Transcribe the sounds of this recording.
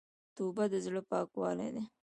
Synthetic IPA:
t̪ubad̪əzɽəpɑːkwɑlḛd̪e

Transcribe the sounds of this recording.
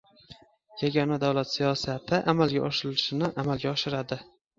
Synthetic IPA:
jaɡʲɒnad̪awlat̪sijɒsat̪ʰɪʔamalɡʲaʔɒʃɪɾɪlɪʃɪnɪʔamalˠɡʲaɒʃɪɾad̪ɪ

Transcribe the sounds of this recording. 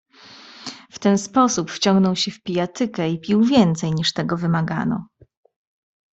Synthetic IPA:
ft̪ɛnspɔsupft͡ɕɔ̃ŋɡnɔwɕɛfpʲijat̪ɘkɛipʲiwvʲjɛnt̪sɛjɲiʂt̪ɛɡɔvɘmaɡa̰nɔ̰

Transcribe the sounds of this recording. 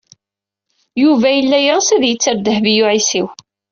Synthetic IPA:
juvæjəlːæjʁəsæðjət͡sːəɾd̪əhvijuʕisiw

